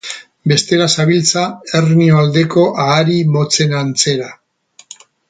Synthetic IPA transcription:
be̞st̪e̞ɾasaβilt͡sae̞rnioald̪e̞ko̞ʔaːɾimo̞t͡se̞nant͡se̞ɾa

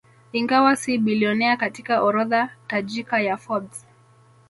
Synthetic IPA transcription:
iŋɡawasiɓiliɔnɛakatikaʔɔɾɔðatad͡ʒikajafɔds

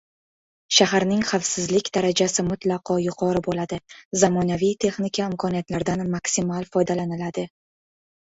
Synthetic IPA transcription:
ʃaɦaɾnɪŋχafsɪzlɪkʲd̪aɾad͡ʒasɪmʊt̪lˠɑqʰɒjʊqʰɒɾɪbolad̪ɪzamɒnavijt̪ʰe̞χnɪkʲʰaɪmkʰɒnijat̪laɾd̪anmaksɪmalˠfɒjd̪alanɪlad̪ɪ

